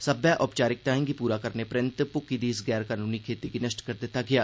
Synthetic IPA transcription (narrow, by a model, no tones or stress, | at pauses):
səbjaːʔɔpt͡ʃaːɾɪk̚t̪ãːɦɪ̃ŋɡiːpuːɾaːkəɾneːpɾɪ̃nt̪pʊkːiːd̪iːsɡɛːɾkaːnuːniːkʰeːt̪iːkiːnəʃʈkəɾd̪ɪt̪ːaːɡɪjaː